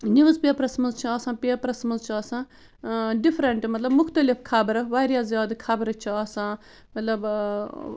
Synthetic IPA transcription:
niʋɐzpʲɐpɾɐsmɐzt͡ʃʰiɐsãːpɐpɾɐsmɐzt͡ʃʰiɐːsãː | ɖifʰɾɐɳʈmɐt̪lɐbmʊkʰt̪ɐlifkʰabɾɐʋaːɾjaːzjaːd̪kʰɐbɐɾɐt͡ʃʰiɐːsãː | mɐt̪lɐb

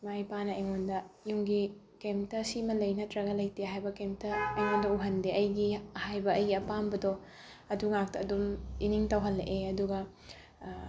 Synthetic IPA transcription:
majpanɐejŋondɐjuŋɡi | kemtɐsimɐlɐjnɐtɾɐɡɐlɐjtiɦajbɐkemtɐːjŋondɐuɦɐndeɐjɡihajbɐɐjɡiɐpambɐdo | ɐduŋak̚tɐːduminiŋtɐwɦɐlːʔeɐduɡɐ

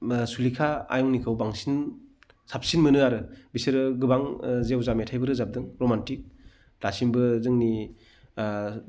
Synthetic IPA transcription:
sulikʰaa̰jɔŋnikʰɯwbaŋsin | sap̚sinmɯnɯaɾɯbisɯɾɯɡɯbaŋzewzametʰajbɯɾɯzap̚dɯŋɾomantik̚ | lasimbɯzɯŋni

